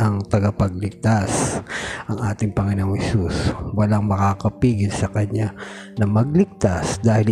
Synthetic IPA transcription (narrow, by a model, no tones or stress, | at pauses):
ɐŋt̪ɐɡapɐɡ̚lɪɡ̚t̪asʔɐŋʔaːt̪ɪŋpɐŋɪnoːŋhɛsuswɐlaŋmɐkaːkɐpiːɡɪlsɐkɐɲa | nɐmɐɡ̚lɪɡ̚t̪asd̪aːhɪl